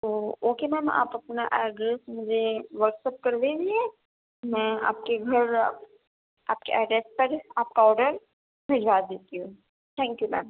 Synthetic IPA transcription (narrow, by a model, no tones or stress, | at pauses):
t̪oːoːkemɛ̃ːma̰ːpɐpnaʔɛːɖɾeːsmʊd͡ʒʱeʋəɾʈsəp̚kɐɾd̪ediɛ | mɛ̃ːa̰ːp̚keɡʱɐɾ | a̰ːp̚keʔɛːɖeːsʈ̚pɐɾaːp̚kaɔːɾɖəɾ | bʱɪd͡ʒʋaːd̪eːt̪iɦũ | t̪ʰɛ̃ːŋkjumɛ̰ːm